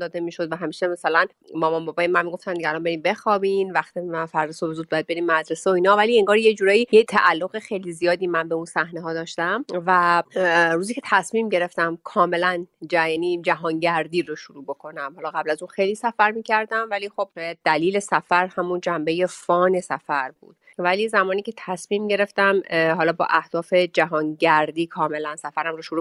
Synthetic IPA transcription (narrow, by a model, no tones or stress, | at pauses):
d̪ɒːd̪emiːʃod̪væɦæmiːʃemæsælæn | bɒːmanbɒbɒjemænmiːɡo̞ft̪ænd̪iælɒːnmbeɾiːmbe̞xɒːbinvæxt̪iæfæɾd̪esobezuːd̪̚bɒjæd̪̚be̞ɾimmæd̪ɾe̞seoiːnhɒːvælieŋɡɒːɾjed͡ʒuːɾɒːjiːjet̪ʰæʔælːoɣexejlizijɒːd̪iːmænbe̞unsæhneɦɒːd̪ɒːʃt̪æmvæ | ɾuːziːcʰe̞t̪ʰæsmiːmɟe̞ɾe̞ft̪æmkʰɒːme̞lænd͡ʒæjæːniːd͡ʒæɦɒːnɟæɾd̪iːɾoʃuɾuːbo̞kʰo̞næmhɒːlɒːɣæblæzunxejliːsæfæɾmiːcʰæɾd̪æmvæliːxo̞b̥ʃːjæd̪̚ːæliːle̞sæfæɾhæmund͡ʒæmbe̞je̞fɒːne̞sæfæɾbṵːd̪ | væliːzæmɒːniːcʰe̞t̪ʰæsmiːmɟe̞ɾe̞ft̪æmɦɒːlɒːbɒ̰ːʔæhd̪̥ɒːfe̞d͡ʒæɦɒːnɟæɾd̪iːkʰɒːme̞lænsæfæɾæmroʃuɾu